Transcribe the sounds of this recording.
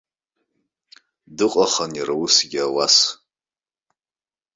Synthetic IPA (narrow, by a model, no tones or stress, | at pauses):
dɨqʷʼaχanirawusɡʲawas